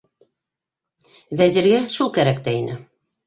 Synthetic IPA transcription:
væzĭɾɡæʃulˠkæɾækt̪æinɘ

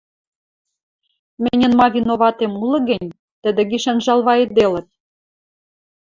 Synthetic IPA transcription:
mɘnʲə̆nmɑβʲinoβɑt̪emulɤ̆ɣɘ̆nnʲ | t̪əd̪ĕɣiʃɑnʒɑlβɑed̪elə̆t̪̚

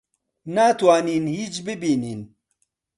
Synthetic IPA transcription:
nat̪waːniːnhiːt͡ʃbɪbiːniːn

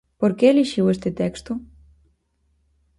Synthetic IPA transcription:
poɾkeliʃiwest̪et̪ekst̪u

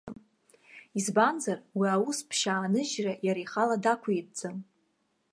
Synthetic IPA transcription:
izbanzarwiawuspʰʃaːnɨʒrajaɾajχaladakʷʰait̚d͡zam

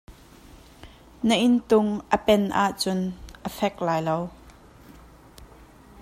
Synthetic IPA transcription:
nəʔɪnt̪ʊŋʔəpɛnʔaːʔt͡sʊnʔəfɛk̚laːjlow

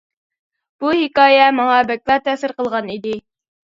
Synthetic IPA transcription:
b̥uhɪkɑːjɛmɑŋɑbɛk̚ʲlˠɑt̪ɛsɪɾqəlˠʁɑnid̪ɪ

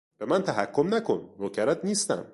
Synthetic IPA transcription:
b̥emænt̪ʰæɦækʰːomnækʰo̞̰nɾocʰæɾæt̪niːst̪æ̰m

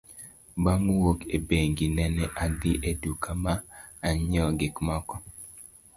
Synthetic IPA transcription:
bamwokebeŋɡinɛnɛʔadɪʔedukamaːɲɔɡɪkmɔkɔ

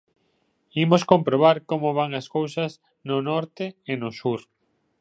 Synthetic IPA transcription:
imoskompɾoβ̞aɾkomoβ̞aŋɐskowsɐz | nʊnɔɾt̪ɪenosuɾ

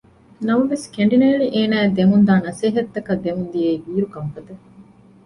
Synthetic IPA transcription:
nɐmɐʋeskeɳɖineːɭiʔeːnæːed̪eŋund̪aːnɐseːɦɐt̪ːɐkɐd̪emund̪ijeiʋiːɾukɐmfɐd̪ɐ

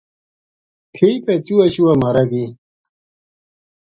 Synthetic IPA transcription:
tʰipet͡ɕuɐɕuwɐmɐɾɐɡi

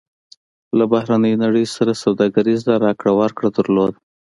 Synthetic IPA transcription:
labahɾanəjonaɽəjsaɾasawd̪ɑɡaɾizlaɾɑkɽawaɾkɽad̪əɾlod̪

